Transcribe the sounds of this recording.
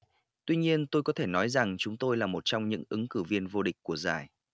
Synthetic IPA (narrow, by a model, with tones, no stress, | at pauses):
t̪wi˧ɲi˧ənt̪o˧jkɔ˨˦t̪ʰe˧˩nɔ˨˦jza˨˩ŋt͡ɕʊ˨˦ŋ͡mt̪o˧jlaː˨˩mo˨˩t̚t͡ɕɔ˧wŋ͡mɲɨ̰˧˥ŋʔɨ˨˦ŋkɨ˧˩vi˧ənvo˧ɗï˨˩k̟̚ʲkːu˧˩əza̰ː˧˨˩j